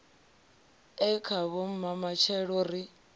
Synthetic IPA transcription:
ɛkʰaβom̩mamat͡ʃʰɛɺɔɾi

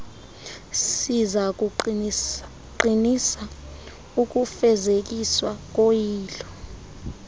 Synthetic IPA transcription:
sizak̬u | ǃinisa | uk̬ufɛzek̬iswak̬ojiːlɔ

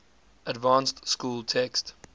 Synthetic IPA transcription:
ədvɑ̃ːnstskuːlˠtʰɛkst

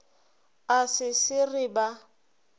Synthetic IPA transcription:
asɪsɪrɪba

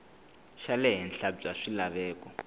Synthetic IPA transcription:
ʃalɛɦɛnɬab͡ʐʼaʂilaβɛːkɔ

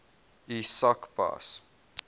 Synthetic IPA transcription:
isakpa̰s

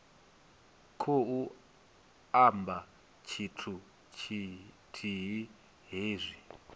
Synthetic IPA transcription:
kʰou | amba | t͡ʃʰitʰu | t͡ʃʰi | tʰiɦi | ɦeːzʷi

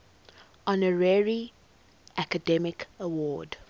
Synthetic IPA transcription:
ɔ̃nəɹɛɹi | ʔækədɛmɪkəwɔːd

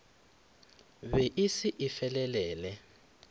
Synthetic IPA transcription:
βɛʔisiʔifɛlɛlɛːlɛ

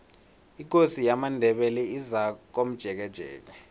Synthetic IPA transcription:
ik̬ʼosijamandʱɛɓɛlɛizak̬om̩d̥ʒ̥ʱɛk̬ɛd̥ʒ̥ʱɛ̰ːk̬ɛ

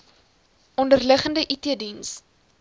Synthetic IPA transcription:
ʔɔndərləχəndəʔitiədins

